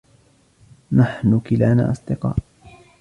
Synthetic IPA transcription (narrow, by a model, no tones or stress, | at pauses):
naħnʊkɪlaːna̰ːʔɑsˤd̪ɪqɑ̰ːʔ